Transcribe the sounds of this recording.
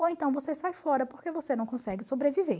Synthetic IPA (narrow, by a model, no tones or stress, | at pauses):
oẽnt̪ɐ̃w̃vosesajfɔɾɐpoɾkevosenɐ̃w̃kõsɛɡɪsobɾevive